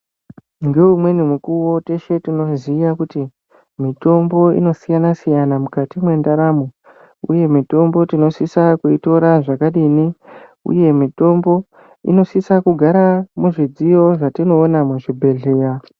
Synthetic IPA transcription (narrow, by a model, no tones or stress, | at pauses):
ŋɡe̞umwe̞nimukuwo̞te̞ʃe̞tino̞zijakuti | mito̞mbo̞ḭno̞sijanasijanamukatimwe̞ndaɾamo | ṵje̞mito̞mbo̞tino̞sisakuito̞ɾaʐakaɗiniṵje̞mito̞mbo̞ | ḭno̞sisakuɡʱaɾamuʐid͡zijo̞ʐatino̞ːnamuʐibʱe̞ɮe̞ːɾa